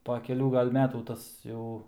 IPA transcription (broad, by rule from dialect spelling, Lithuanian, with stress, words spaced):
poː kʲɛˈlʲuː ˈɡɐlʲ ˈmʲæːtuː ˈtɐs jɛʊ